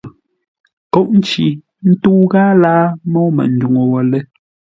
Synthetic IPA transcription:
kɔ˦ʔn̩˦t͡ʃi˨ | n̩˦tu˦ɣa˦laː˦mɔ˦mɛ̰˨n̩˨˦du˨ŋo˨wɔ˨lɛ˦

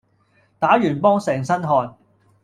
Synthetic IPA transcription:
t̪aː˨˥jyː˨˩npɔː˥ŋsɛː˨˩ŋsɐ˥nɦɔː˨˧n

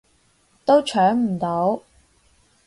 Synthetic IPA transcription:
t̪o˥wt͡ʃʰœː˨˥ŋm̩˨˩t̪o˨˧˥w

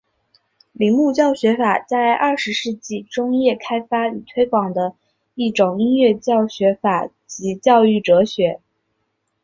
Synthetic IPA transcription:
li˨˩ŋmu˥˧t͡ɕjɑ˥˩ʊɕɥɛ˧˥fa˨˩t͡sa˥˧ɪʔɐ˥˩ʂɻ̩˧˥ʂɻ̩˥˧t͡ɕi˥˩ʈ͡ʂʊ˥ŋjɛ˥˩kʰa˥ɪfa˥y˨˩t̪ʰwe˥ɪkwɑ˨˩ŋd̪ə˦ | i˥˩ʈ͡ʂʊ˨˩ŋi˥nɥɛ˥˧t͡ɕjɑ˥˩ʊɕɥɛ˧˥fa˨˩˦ | t͡ɕi˧˥t͡ɕjɑ˥˧ʊy˥˩ʈ͡ʂɤ˧˥ɕɥɛ˧˥

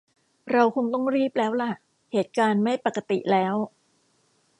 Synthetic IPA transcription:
ɾa˧wkʰo˧ŋt̪ɔ˥˩ŋɾiː˦˥˩p̚lɛː˦˥wla˧˥˩ʔ | heː˨˩˦t̪̚kaː˧nma˥˩jpa˨˩kːa˧t̪ḭ˨˩lɛː˦˥w

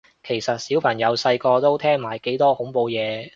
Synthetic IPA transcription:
kʰe˨˩jsɐ˨t̚siː˨˥wpʰɐ˨˩ŋjɐ˨˧wsɐ˧jkɔː˧t̪o˥wt̪ʰɛː˥ŋmaː˨˩jke˨˥jt̪ɔː˥hʊ˨˥ŋpo˧wjɛː˨˧

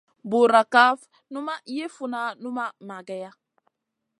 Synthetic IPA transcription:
bu˨ɾa˨ka˦f | nu˦ma˦ʔi˦je˦fu˨na˦nu˦ma˦ma˨ɡɛ˦ja˦

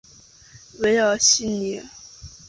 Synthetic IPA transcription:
we˧˥ɪjɑ˨˩ʊɕi˥˩nni˨˧˥

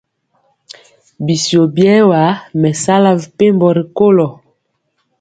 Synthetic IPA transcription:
bi˨sjo˨bjɛ˦wa˨˦mɛ˨sa˦la˦vpe˦mbɔ˨ɾi˨ko˦lɔ˨

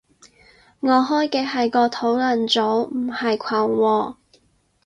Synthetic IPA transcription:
ŋɔː˨˧ɦɔː˥jkɛː˧ɦɐ˨jkɔː˧t̪ʰo˨˥wlɐ˨˩nt͡so˨˥wm̩˨˩hɐ˨jkʷʰaː˨˩ŋwɔː˧

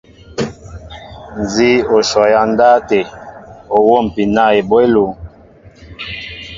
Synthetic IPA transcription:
n˨zi˦o˨ʃɔ˨ja˨n˦da˦te˨o˨wo˦˨m˨pi˨na˦˨e˨bwe˦lo˨

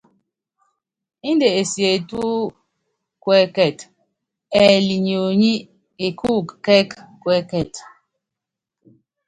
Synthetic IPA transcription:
i˦nde˨e˨sje˨tu˦ | kwɛ˦kɛ˦˨t | ɛ˨li˨ɲ˨o˨ɲi˦ | e˨kʰu˦kkɛ˦kkwɛ˦kɛ˦˨t

